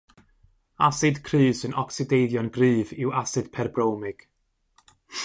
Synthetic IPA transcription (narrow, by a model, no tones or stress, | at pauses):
asɨd̥kʰrɨːsɨnɔksɪdejðjɔnɡrɨːvɪwasɨd̥pʰɛrbrowmɪɡ̥